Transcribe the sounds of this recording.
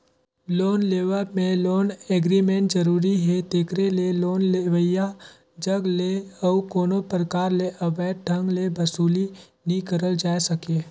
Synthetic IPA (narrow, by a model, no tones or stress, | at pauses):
loːnleːʋəmẽloːneːɡɾimẽɳʈzəɾuːɾiɦɛt̪eːkɾeleloːnleʋəja | d͡ʒəɡleɔːkoːnopɾəkaːɾleʔɐʋɛːʈ̚ʈʰə̃ŋɡlebɐsuːli | nĩkəɾəld͡ʒaːesɐkeː